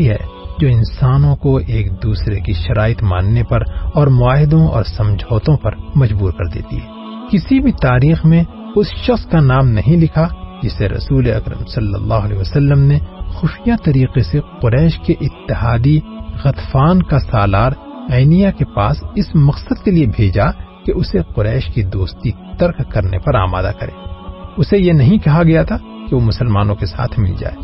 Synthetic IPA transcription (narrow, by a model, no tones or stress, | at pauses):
iɦɛ̰ːd͡ʒoːɪ̃nsaːnõkoeːk̚d̪uːsɾekiʃɐɾaːɪt̪ma̰ːnːepɐɾɔːɾmʊaːɦɪd̪õɔ̰ːɾsɐ̃md͡ʒʱoːt̪õpɐɾmɐd͡ʒbuːɾkɐɾd̪ḛːt̪ḭɦɛː | kɪsibʱit̪aːɾiːxmẽ | ʊsʃɐxskanaːmnɐɦĩlɪkʰad͡ʒɪseɾɐ̰suːleɐ̰kɾə̰msɐlːə̰lːaːɦʊɐlɛːʋɐsɐlːəmnexʊʃijat̪ɐɾiːqeseqʊɾɛːʃkeʔɪt̪ːɪɦaːd̪iɣɐt̪faːnkasaːlaːɾ | ɛːɪnijakepa̰ːsɪsmɐqsəd̪̚keliebʱeːd͡ʒa | keʔʊseqʊɾɛːʃkid̪oːst̪it̪ɐɾkkɐɾnḛpɐɾa̰ːma̰ːd̪a̰kɐɾḛ̃ːʊsejenɐɦĩkɐɦaɡɐjat̪ʰa | keʋomʊsəlmaːnõkesa̰ːt̪ʰmɪ̰ld͡ʒa̰ːeː